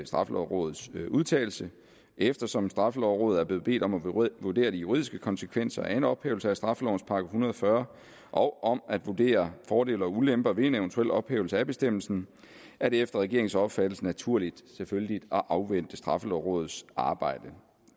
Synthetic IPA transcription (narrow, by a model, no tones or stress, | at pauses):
sd̥ʁɑ̈fəlɒ̰ʊʁɔ̽ːð̩ˠsuð̞ˠt͡sʰɛ̰ːl̩sə | efd̥ɐsɒ̽msd̥ʁɑ̈fəlɒʊʁɔ̽ːð̩ˠæɐble̝ð̩ˠb̥e̝̰ːd̥ɒ̽mæʋode̝̰ːɐd̥ijuʁḭðˠisɡ̥əkʰɒ̽nsəkʰʋen̰sɐæe̝nɒ̽b̥heːʊl̩səæsd̥ʁɑ̈fəlɒʊn̩spʰɑ̈ɡ̥hunɐð̞ˠɒfɶːɐ | ʔɒ̽ʊʔɒ̽mæd̥ʋo̝d̥e̝̰ːɐfɒːde̝̰ːlɐulemb̥ɐʋe̝eneʊnt͡sʰuel̰ɒ̽b̥heːʊsəæb̥e̝sd̥em̰l̩sn̩ | æɐɾ̥e̝efd̥ɐʁɛɡe̝ɐe̝ŋ̩sɒ̽b̥fæd̥l̩sənæt͡sʰuɐ̰lid̥seføllid̥ɒ̽ʔɑ̈ʊʋen̰d̥əsd̥ʁɑ̈fəlɒʊʁɔ̽ːð̩ˠsɑ̈ːb̥ɑ̈ɪ̰d̥ə